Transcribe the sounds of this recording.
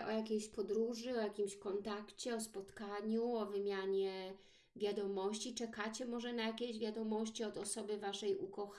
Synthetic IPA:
ʔɔjakʲejɕpɔd̪ɾuʐɘɔjakʲimɕkɔnt̪akt͡ɕɛɔspɔt̪kaɲuɔvɘmʲjaɲɛ | vʲjad̪ɔmɔɕt͡ɕit͡ʂɛkat͡ɕɛmɔʐɛnajakʲeʑvʲjad̪ɔmɔɕt͡ɕiɔd̪ɔsɔbɘvaʂɛjukɔx

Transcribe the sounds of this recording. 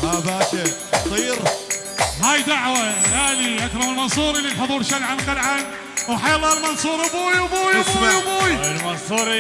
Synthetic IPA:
haːðaʔaʃaɑsˤiːɾ | haːjd̪aʕwahaːliʔakɾˤɑmɪlmɑnsˤuːɾililħʊðˤuːɾʃalʕalqalʕan | wħajalˤːɑːlmɑnsˤuːɾbuːjwbuːjujbuːjɪlmɑnsˤuːɾi

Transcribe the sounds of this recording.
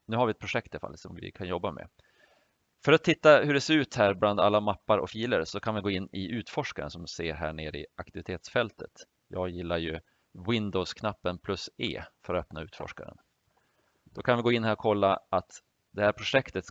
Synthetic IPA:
nʉ̟ːhaɾvɪɛt̪̚pʰɾʊʂɛk̚t̪ʰalfa̰lːsɔmvɪ̰kʰanjɔbːamɛ̰ | fœɾat̪ʰːɪt̪ːahɵɖɛseːɾʉ̟ːt̪hæːɾbland̪alːamapːaɾɔ̰fiːləɾsɔkʰanvɪɡoːɪnːɪʔʉ̟ːt̪fɔʂkaɾə̰nsɔmseːɾɦæ̰ːɳeːɾəɪ̰ʔakt̪ɪvɪt̪ʰeːt̪sfɛlt̪ət̪ | jɑːɡjɪlːaɾjɵ | wɪnd̪ɔskʰnapːənpʰlɵsḛːfœɾt̪œpnaʉ̟ːt̪fɔ̰ʂka̰ɾə̰n | d̪̥ɔkʰanvɪɡoːɪnːhæːɾɔkʰɔlːaʔat̪ | d̪ɛhæːɾpʰɾʊʂɛkt̪ət̪

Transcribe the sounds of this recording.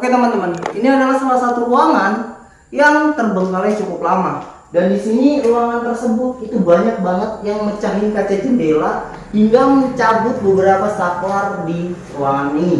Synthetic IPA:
oket̪əmant̪əmaniniadalahsalahsat̪uuaŋan | jaŋt̪ərbəŋkalat͡ʃukʊplama | dandisiniuaŋant̪ərsəbʊt̪̚it̪ubaɲak̚baŋət̪̚jaŋmət͡ʃaɦɪŋkat͡ʃat͡ʃimbela | hiŋɡaməɲt͡ʃabʊt̪̚bəbəɾapasaklardiruwaŋani

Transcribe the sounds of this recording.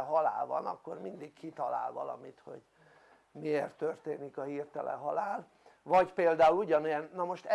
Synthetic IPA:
ɦɒla̰ːlvɒ̰nɒkːo̞rmind̪ikkit̪ɒla̰ːlvɒlɒ̰mit̪ho̞̰ɟ | mieːrt̪ːørt̪eːnikɒhiːrt̪ɛlʔɛ̰ɦɒlaːl | vɒɟpeːld̪aːuluɟɒnejɛnːɒmo̞ʃt̪ɛ

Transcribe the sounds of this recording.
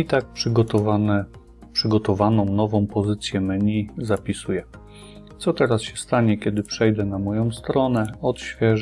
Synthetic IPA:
it̪ak̚pʂɘɡɔt̪ɔvanɛ | pʂɘɡɔt̪ɔvanɔ̃w̃nɔvɔ̃w̃pɔzɘt̪sʲjɛmɲizapʲisujɛ | t̪sɔt̪ɛɾasɕɛst̪aɲɛkʲɛd̪ɘpʂɛjd̪ɛnamɔjɔ̃w̃st̪ɾɔnɛɔt̪ɕfʲjɛʐ

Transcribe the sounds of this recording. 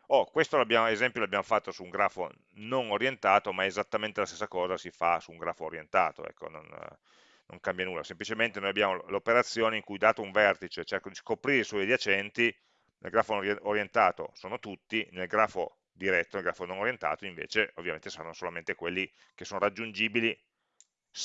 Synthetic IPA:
okwest̪oloabjaːmoezɛmpjoloabːjaːmofat̪ːosuːŋɡɾaːfo̰ | nonoɾjent̪aːt̪omaezat̪ːament̪elast̪esːakɔːzasifasuːŋɡɾaːfoːɾjent̪aːt̪o̰ɛ̰kːo̰no̰n | no̰ŋkambjanuːlːasemplit͡ʃement̪enoːjabjaːmolopeɾat̪sːjoːneiŋkujd̪aːt̪ouɱvɛrt̪it͡ʃet͡ʃerkod̪iskopɾiɾeiswɔjd̪iat͡ʃɛnt̪i | nḛlɡɾaːfonoɾjent̪aːt̪o̰soːnot̪ut̪ːinelɡɾaːfo̰ | d̪iɾɛt̪ːonelɡɾaːfononoɾjent̪a̰ːt̪oĩɱvḛːt͡ʃeovːjamẽnt̪esaɾanːosolament̪ekwelːi | kesoːnoɾad͡ʒːund͡ʒiːbili

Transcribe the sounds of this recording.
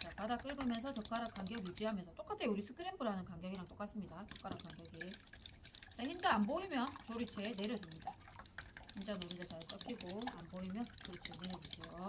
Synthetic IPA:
t͡ɕapadak͈ɯɭɡɯmjʌnsʰʌt͡ɕʌp̚k͈aɾak͈aŋɡjʌɡijud͡ʑiɦamjʌnsʰʌt͈ok͈atʰeuɾisʰɯkʰɯɾembɯɾɦanɯnkaŋɡjʌɡiɾaŋt͈ok͈as͈ɯmɲidat͡ɕʌp̚k͈aɾak͈aŋɡjʌɡi | sʰehind͡ʑaanboimjʌnt͡ɕoɾit͡ɕʰe̞ne̞ɾjʌd͡ʑumɲida | hind͡ʑanoɾind͡ʑet͡ɕaɭs͈ʌk͈iɡoa̰nboimjʌnt͡ɕoɾit͡ɕʰeneɾjʌd͡ʑuɕʰejo

